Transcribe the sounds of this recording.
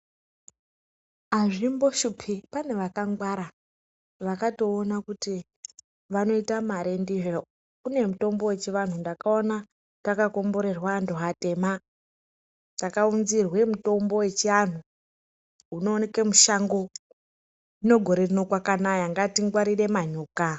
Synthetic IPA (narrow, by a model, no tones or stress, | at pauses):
aʐimbo̞ʃupʰipane̞ʋakaŋɡwaɾa | ʋakato̞ːnakuti | ʋano̞itamaɾendiʐo | kune̞muto̞mbo̞we̞t͡ʃiʋan̤undakaona | takako̞mbo̞ɾe̞rwandoɦate̞ma | dakaunzirwe̞muto̞mbo̞we̞t͡ʃian̤u | uno̞ːnekemuʃaŋɡo̞ | ino̞ɡʱo̞ɾe̞rino̞kwakanajaŋɡatiŋɡwaɾire̞maɲuːka